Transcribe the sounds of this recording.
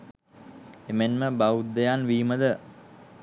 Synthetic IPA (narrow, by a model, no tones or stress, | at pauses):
emenməbaud̪ːejanʋiːməd̪ə